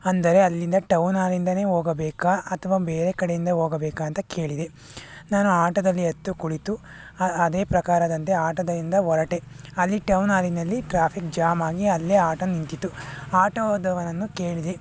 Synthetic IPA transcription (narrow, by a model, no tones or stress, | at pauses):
ɐnd̪ɐɾe̞ɐlːind̪ɐʈɐwnaːlind̪ɐne̞ːɦoːɡɐbɛːkaɐt̪ʰɐʋaːbeːɾekɐɽejind̪ɐɦoːɡɐbɛːkaːɐnt̪ɐke̞ːɭid̪e̞ | naːnuaːʈɐd̪ɐlːiɐt̪ːukuɽit̪u | ɐd̪eːpɾɐkaːɾɐd̪ɐnt̪e̞aːʈɐd̪ɐlind̪ɐɦɔɾɐʈe̞ | ɐlːiʈɐwnaːlinɐlːiʈɾaːpʰik̚d͡ʒaːmaːɡiɐlːeːaːʈɐnːint̪it̪ːuaːʈɐoːd̪ɐʋɐnɐnːuke̞ːɭid̪e